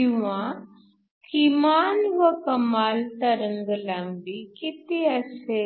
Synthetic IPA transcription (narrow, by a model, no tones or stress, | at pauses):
iʋã | kʰimaːnʋəkɐmaːlt̪ɐɾəŋɡlambikit̪iɐse